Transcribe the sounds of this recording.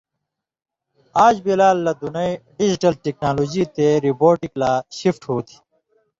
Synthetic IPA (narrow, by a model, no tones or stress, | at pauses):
aːd͡ʑbilaːlːɐd̪unɐiɖid͡ʑiʈɐlʈeknaːloːd͡ʑit̪eɾiboːʈiklaːɕifʈhoːt̪ʰi̥